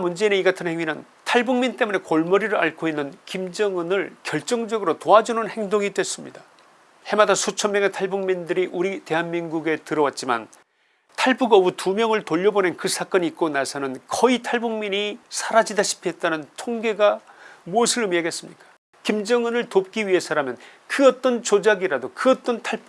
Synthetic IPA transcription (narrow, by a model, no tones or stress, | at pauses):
mund͡ʑe̞ineiɡatʰɯnhe̞ŋɥinɯn | tʰaɭbuŋmint͈e̞mune̞koɭmʌɾiɾɯɭa̰ɭkʰoinːɯnkimd͡ʑʌŋɯnɯɭkjʌɭt͡ɕ͈ʌŋd͡ʑʌɡɯɾotoɦad͡ʑunɯnhe̞ŋdoŋitwe̞s͈ɯmɲida | he̞madasʰot͡ɕʰʌmjʌŋe̞tʰaɭbuŋmindɯɾiʔuɾite̞ɦanminɡuɡe̞tɯɾʌwat̚t͡ɕ͈ima̰n | tʰaɭbuɡʌbutumjʌŋɯɭtoʎːʌbone̞nkɯsʰak͈ʌɲiːk̚k͈onasʰʌnɯnkʌitʰaɭbuŋmiɲisʰaɾad͡ʑidaɕʰi̥pʰiɦe̞t̚t͈anɯntʰoŋɡe̞ɡamuʌsʰɯɭɯmieɡe̞s͈ɯmɲik͈ḁ | kimd͡ʑʌŋɯnɯɭtop̚k͈iɥiɦe̞sʰaɾamjʌn | kɯʌt͈ʌnt͡ɕod͡ʑaɡiɾadokɯʌt͈ʌntʰaɭ